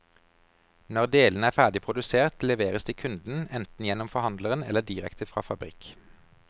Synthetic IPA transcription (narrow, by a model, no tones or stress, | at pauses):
nɔʁd̪eːlən̩æːfæːd̪ɪpʰʁʊd̪ʉseːʁt̪lɛʋeːʁəsd̪eːkʰʉnd̪n̩ɛnt̪n̩jɛnɔmfɔʁhɑnd̪ləʁənɛ̰lːəd̪iːʁɛkt̪ʰəfʁɑ̰ːfɑbʁɪ̰k